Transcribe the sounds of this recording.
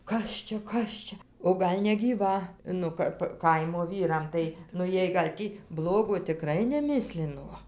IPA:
ˈkɐs t͡ʃʲɛ ˈkɐs t͡ʃʲɛ oː ˈɡɐlʲ nʲɛɡʲiːˈʋɐ ˈnʊ kɐp ˈkɐɪmoː ˈʋʲiːrɐm ˈtɐɪ nʊ ˈjiɛj ɡɐlʲ ˈtʲiː ˈblˠoːɡoː tʲɪˈkrɐɪ nʲɛˈmʲɪsʲlʲɪnoː

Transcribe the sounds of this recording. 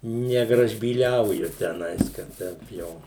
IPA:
nʲɛɡrɐʒʲbʲiːˈlʲɛʊjʊ tʲɛˈnɐɪs kɐt ˈtʲɛɪp jɛʊ

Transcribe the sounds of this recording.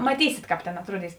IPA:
mɐˈtʲiːsʲɪt ˈkɑːp tʲeːn ɐtˈruɔˌdʲiːs

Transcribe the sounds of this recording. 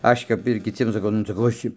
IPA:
ˈɐʃʲ kɐp ɪr kʲɪˈt͡sʲiɛm sɐˈkɐʊ nʊ sɐˈkɐʊ ˈɐʃ t͡ʃʲɪ

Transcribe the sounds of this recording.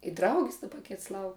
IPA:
ɪ ˈdrɐʊɡʲɪs dɐˈbɐ ˈkʲɪts ˈlˠɐʊk

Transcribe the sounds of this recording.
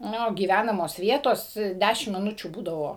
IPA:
ˈnʲʊ ɡʲiːˈʋʲænɐmoːs ˈʋʲiɛtoːs ˈdʲæʃʲɪm mʲɪˈnʊt͡ʃʲuː ˈbuːdɐʋoː

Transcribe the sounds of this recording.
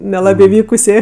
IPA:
nʲɛˈlˠɑːbʲeː ˈʋʲiːkʊsʲeː

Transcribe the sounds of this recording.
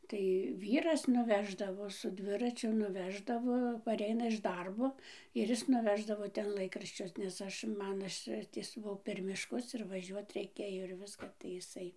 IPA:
tɐɪ ˈʋʲiːrɐs nʊˈʋʲæːʒdɐʋoː sʊ ˈdʲʋʲɪrɐt͡ʃʲʊ nʊˈʋʲæːʒdɐʋoː pɐˈrʲɛɪnɐ ɪʃ ˈdɐrboː ɪr ˈɪs nʊˈʋʲæːʒdɐʋoː ˈtʲɛn ˈlˠɐɪkrɐʃʲt͡ʃʲʊs nʲɛs ˈɐʃ ˈmɐn ˈɐʃ ˈtʲiɛs ˈbuɔ pʲɛr mʲɪʃˈkʊs ɪr ʋɐˈʒʲuɔt rʲɛɪˈkʲeːjoː ɪr ˈʋʲɪskɐ tɐɪ ɪˈsɐɪ

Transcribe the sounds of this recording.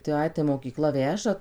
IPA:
tɐɪ ˈɐɪ tɐɪ moːkʲiːˈklˠɐ ˈʋʲæːʒɐ

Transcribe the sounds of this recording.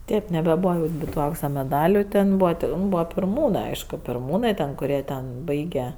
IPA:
ˈtʲeːp nʲɛbʲɛˈbuːʋɐ ˈnʲɪbʲɪ tʊ ˈɐʊksɐ mʲɛˈdɑːlʲʊ ˈtʲɛn ˈbuːʋɐ ˈtʲɛn ˈbuːʋɐ pʲɪrˈmuːnɜ ˈɐɪʃkʊ pʲɪrˈmuːnɜ tʲɛn kʊˈrʲiɛ tʲɛn ˈbɐɪɡʲɛ

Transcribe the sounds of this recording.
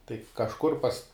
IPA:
tɐɪ kɐʃˈkʊr pɐs

